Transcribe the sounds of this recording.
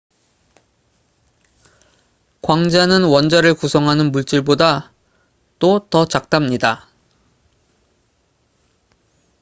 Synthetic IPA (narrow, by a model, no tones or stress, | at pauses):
kwaŋd͡ʑanɯnwʌnd͡ʑaɾɯɭkusʰʌŋɦanɯnmuɭt͡ɕ͈iɭboda | t͈otʌt͡ɕak̚t͈amɲida